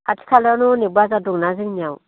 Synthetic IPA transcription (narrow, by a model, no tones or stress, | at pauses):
ati̥kʰalanonibazaduŋnaziŋniaw